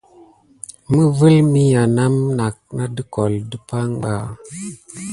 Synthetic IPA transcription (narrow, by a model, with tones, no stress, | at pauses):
mə˦və˦lmi˦ja˨na˦mna˨k̚na˦dɨ˦ko˨ldə˦pa˦ŋɓa˦˨